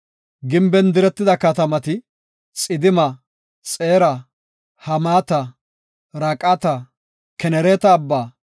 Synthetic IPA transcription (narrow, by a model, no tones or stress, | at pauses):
ɡɪmbɛnd̪ɪɾɛt̪ːɪd̪ɐkɐt̪ɐmɐt̪ɪ | t͡sʼɪd̪ɪmɐ | t͡sʼeːɾɐ | hɐmaːt̪ɐ | ɾɐkʼɐt̪ɐ | kɛnɛɾeːt̪ɐːbːaː